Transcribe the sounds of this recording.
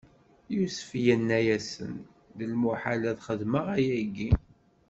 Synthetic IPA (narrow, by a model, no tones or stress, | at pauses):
jusə̥fjənːæjæsə̰n | ðəlmuħalæðχəðməʁæjæɡi